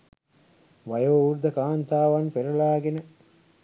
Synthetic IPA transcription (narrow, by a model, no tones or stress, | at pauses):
ʋɐjoːuɾd̪ɐkaːnt̪aːʋɐnpeɾulaːɡenə